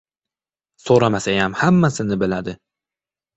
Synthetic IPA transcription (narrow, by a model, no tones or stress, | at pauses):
soɾamasajamhamːasɪnɪbɪlad̪ɪ